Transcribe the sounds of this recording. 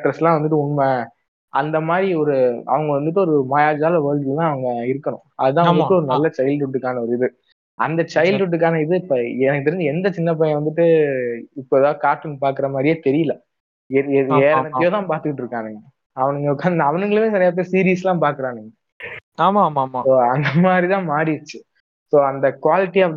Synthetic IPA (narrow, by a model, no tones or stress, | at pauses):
ʈːɾɐslãːʋɐnd̪ɯʈ̬ːɯʊnmɐ | ɐ̰nd̪ɐmaːd̪ɾiɔɾɯɐ̰ʋɐŋɡɐʋɐnd̪ɯʈːɯɔɾɯmaːjaːd͡ʒaːlɐʋɐːɻkɪlt̪ãːɐʋɐŋɡɐɪɾɯkːɐɳʊ̰̃ɐðɯt̪ãːɐd̪ɯʈːɯɔɾɯnɐlːɐt͡ʃɐɪlɖʊʈːɯkːaːnɐɔɾɯɪðɯ | ɐnd̪ɐt͡ʃɐɪlɖʊʈːɯkːaːnɐɪðɯɪpːɐɛnɐkːɯt̪ɪɾɪɲd͡ʒɯɛnd̪ɐt͡ʃɪnːɐp̬ɐj̃ʋɐnd̪ɯʈːɯɪpːoɛðaːɯkaːɾʈːɪnpaːɾkɯɾɐmaːd̪ɾɪjeːt̪ɛɾɪjɯlɐ | ɛeːɾɐnɐtːjoːt̪ãːpaːɾt̪ɯkːɪʈːɾɯkːãːniːŋɡɐ | ɐʋɐnɯŋɡɐkːaːɐʋɐnɯŋɡɐɭɯʋẽːsɐɾjaːp̪̬ːesiːɾiːslãːpaːɾkɯɾãːniːŋɡɐ | aːmamaːsoːɐnd̪ɐmaːd̪ɾit̪ãːmaːɾiɾɯt͡ʃːɯ | soːɐnd̪ɐkʊʋaːlɪʈːiɐɐ